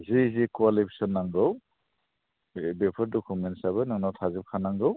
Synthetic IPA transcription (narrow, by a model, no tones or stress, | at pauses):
zizikuwalipʰi̥sɔnːaŋɡɯw | bepʰɔɾdɔkʰumentsabɯnaŋnawtʰazip̚kʰanaŋɡɯw